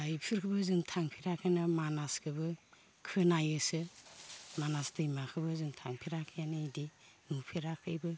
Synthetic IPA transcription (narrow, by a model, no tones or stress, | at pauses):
aipʰiɾkʰɯbɯzɯŋtʰaŋpʰiɾakʰɯnamanaskʰɯbɯ | kʰɯnajɯsɯ | manasdɯimakʰɯbɯzɯŋtʰaŋpʰiɾakʰɯjanɯidi | nupʰiɾakʰɯjbɯ